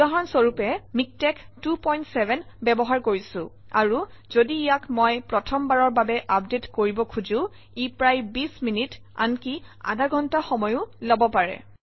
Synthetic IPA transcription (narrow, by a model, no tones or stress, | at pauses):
aɦɔnsoɹupɛmik̚tɛktupɔjntsɛvɛn | bɛbɔɦaɹkoɹisʊ̃ | aɹu | zodiːjakmɔjpɹɔtʰɔmbaɹɔɹbabɛʔap̚detkoɹibɔkʰuzʊ̃ | ipɹajbisminit | a̰nkia̰daɡʱɔntaxɔmɔjʊ̃lɔbɔpaɹɛ̰